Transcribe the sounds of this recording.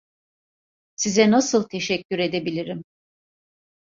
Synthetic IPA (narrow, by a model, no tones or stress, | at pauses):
sizɛnasɯlˠt̪ʰe̞ʃɛcʲːyɾe̞d̪e̞bilʲiɾim